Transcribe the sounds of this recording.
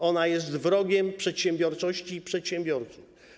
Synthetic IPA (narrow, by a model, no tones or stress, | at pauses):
ɔnajɛst̪vɾɔɡʲɛmpʂɛt̪ɕɛmbʲjɔɾt͡ʂɔɕt͡ɕipʂɛt̪ɕɛ̃mbʲjɔɾt̪suf